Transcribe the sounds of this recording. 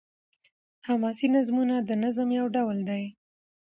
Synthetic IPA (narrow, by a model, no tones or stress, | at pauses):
hamɑsinazmunad̪ənazəmjawɖawld̪aj